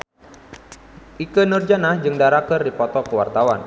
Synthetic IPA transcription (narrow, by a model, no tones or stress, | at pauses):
ʔikənɨrd͡ʒanahd͡ʒɨŋdaɾakərdipɔt̪ɔkəwa̰rt̪awa̰n